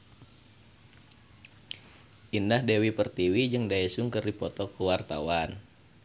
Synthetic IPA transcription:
ʔindahdewipərt̪iwid͡ʒɨŋdaɛsuŋkərdipɔt̪ɔkəwart̪a̰wan

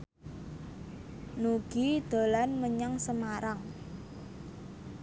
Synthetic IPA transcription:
nuɡ̥id̪̥o̤lanməɲaŋsəmaɾaŋ

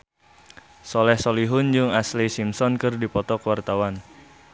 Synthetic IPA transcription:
sɔlɛhsoliɦʊnd͡ʒuŋaslisimsɔnkɨrdipɔt̪ɔkəwart̪awan

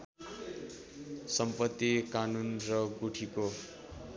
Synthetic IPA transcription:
sʌmpʌt̪ːikanunrʌɡuʈʰiko

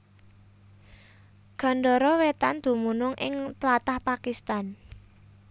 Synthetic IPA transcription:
ɡ̥a̤ɳɖɔɾɔwet̪and̪̥ṳmunʊŋʔɪ̰ŋt̪lat̪ahpakist̪an

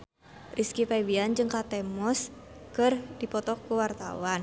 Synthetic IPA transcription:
rʔiskipɛwiand͡ʒɨŋkat̪ɛmɔskɨrdipɔt̪ɔkuwart̪a̰wan

